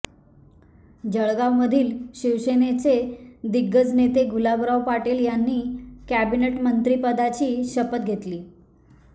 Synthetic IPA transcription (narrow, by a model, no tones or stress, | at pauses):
d͡ʑəɭɡawməd̪ʱiːlɕiʋsenet͡sed̪iɡːəd͡znet̪eɡʱulabɾawpaʈeljanːiːkæbineʈmənt̪ɾiːpəd̪at͡ɕiːɕəpət̪̚ɡʱet̪liː